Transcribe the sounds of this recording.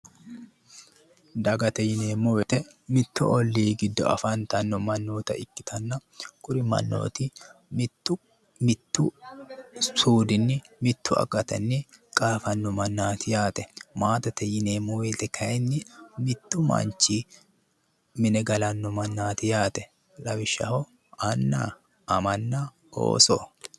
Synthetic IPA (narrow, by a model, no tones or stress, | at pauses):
d̪ɐɡɐt̪ɐjɪneːmɔwɛt̪ɛ | mɪt̪ːʊʔɔlːiːɡɪd̪ːɔ̰ɐ̰fant̪ɐnːɔmɐnːoːt̪ɐʔɪkːɪ̥t̪ʰɐnːɐkʼʊɾɪmɐ̰nːo̰ːt̪ɪmː | mɪt̪ːʊ | suːd̪ɪnːɪmɪt̪ːʊɐ̰ɡɐt̪ɐnːɪkʼaːfɐnːɔmɐnːaːt̪ɪjaːt̪ɛmaːt̪ɐt̪ɐjɪneːmoɛtːɛkʰɐɛnːɪmɪt̪ːʊmɐ̰nt͡ʃiː | mɪnɛɡɐlɐnːɔmɐnːaːt̪ɪjaːt̪ɛ | lɐwɪʃːɐ̰hɔ | ɐnːa̰ | ʔɐmɐnːa | o̰ːsɔ